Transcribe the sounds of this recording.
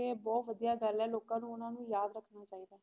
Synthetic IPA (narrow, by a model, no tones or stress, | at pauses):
eːbɔːt̪ʋəd̪ijaːɡəlɛːloːkãːnũːʊnãːnũːjaːd̪ɾəkʰnaːt͡ʃaːiːd̪aː